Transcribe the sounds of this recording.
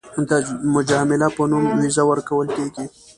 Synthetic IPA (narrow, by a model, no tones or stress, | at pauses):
d̪əmʊd͡ʒɑmɪlapənumwizawəɾkawəlkeɡi